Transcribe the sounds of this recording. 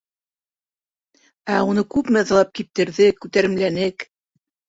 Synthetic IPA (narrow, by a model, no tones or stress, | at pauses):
æunɤkʉpmæ̆ðɑlˠɑp̚kip̚t̪ɘ̆ɾðɘkʉt̪æɾɘ̆mlænɘk